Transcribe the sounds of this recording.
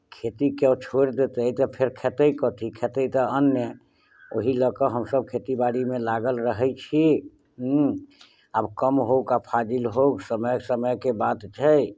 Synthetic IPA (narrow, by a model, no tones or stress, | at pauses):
kʰet̪ikət͡ʃʰoɾd̪et̪əit̪ɔpʰeɾkʰet̪əikɔt̪ikʰet̪əit̪ɔənjə | oɦiləkəɦəmsəb̚kʰet̪ibaɽimẽlaɡəlɾəɦɛt͡ʃʰi | abkəmɦokapʰad͡ʒilɦoɡsəməjsəməjkebad̪t͡ʃʰəj